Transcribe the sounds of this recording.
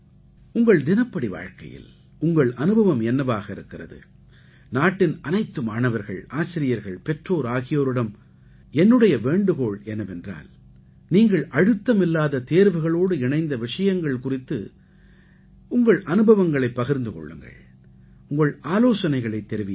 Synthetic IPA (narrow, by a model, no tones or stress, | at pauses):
ʊŋɡɐɭd̪ɪnɐpːɐɽiʋa̰ːɻkɐ̰jɪ̰l | ʊŋɡɐɭʔɐnɯbʱɐʋɐmɛnːɐʋaːɣɐɪɾɯkːɪrɐ̰ðɯ̰ | naːʈːɪnɐnɐɪt̪ːɯmaːnɐʋɐɾɣɐ̰ɭaːsɪɾɪjɐɾɣɐɭpɛʈroːɾaːɣɪjoːɾɯɽɐm | ɛnːɯɽɐjɐʋeːɳɖɯɣoːɭɛnɐmɛndra̰ːl | niːŋɡɐɭʔɐɻɯt̪ːɐmɪlːaːðɐt̪eːɾʋɯɣɐɭoːɽɯɪɳɐɪnd̪ɐʋɪʂɐjɐŋɡɐɭkʊrɪt̪ːɯ̰ | ʊŋɡɐɭʔɐnɯbɐʋɐŋɡɐɭɐɪpːɐɣɪɾnd̪ɯkɔ̰ɭːɯ̰ŋɡɐ̰ɭ | ʊŋɡɐɭaːloːsɐnɐɪɣɐɭɐɪt̪ːɛɾɯʋi